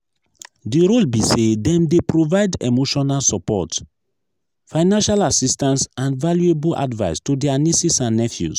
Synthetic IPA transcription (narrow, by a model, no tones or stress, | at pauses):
diɹolbisedɛ̃mdepɹovaɪdḛmoʃɔnalsɔpɔ̰t | faɪnãnʃalasistãnsãnvaljuebulʔa̰dvaɪstudɛanisisãnːɛfjṵs